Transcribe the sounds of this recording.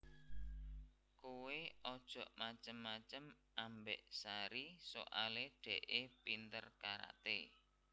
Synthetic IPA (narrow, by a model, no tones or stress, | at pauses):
koweɔd̥ʒ̥ɔ̤ʔmat͡ʃəmːat͡ʃəm | ʔambeʔsaɾiso̰ʔaleɖ̪̥ɛ̤ʔepint̪ərkaɾa̰t̪e